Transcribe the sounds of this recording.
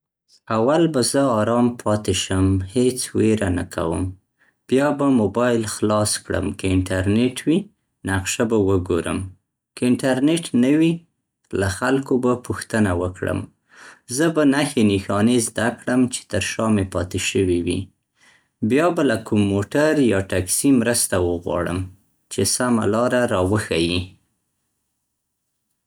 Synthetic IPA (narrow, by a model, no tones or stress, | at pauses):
awalbazəɑɾɑmpʰɑt̪eʃəmhet͡sweɾana̰kʰa̰wə̰m | b̥jɑbamobɑjlxlɑskɽə̰mkaɪɳʈaɾneʈʰwi | naqʃabawəɡoɾə̰m | kaɪɳʈaɾneʈnəwi | laxalkobapuxt̪ənawəkɽə̰m | zəbanaxenixɑnezd̪akɽəmt͡ʃe̥t̪əɾʃɑmepɑt̪eʃəwiwḭ | bjɑbalakumːoʈaɾjɑʈaksimɾəst̪awəɣwɑ̰ɽə̰m | t͡ʃesama̰lɑɾaɾɑwəxaji